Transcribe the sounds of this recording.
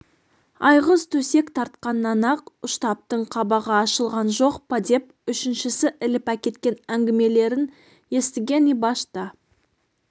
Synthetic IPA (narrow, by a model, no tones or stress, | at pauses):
ɑjʁəzt̪ʰɵse̞kt̪ʰɑɾt̪̚qɑnːɑnɑqʊʃt̪ɑp̚t̪əɴqʰɑbɑʁɑːʃəlˠʁɑnʒo̞qpɑd̪e̞p̚ | ʏʃɪnʃɪsɪʔɪlɪpækʲe̞t̪kʲenæŋɡʲɪme̞le̞ɾɪn | je̞st̪ɪɡʲe̞nijbɑʃt̪ə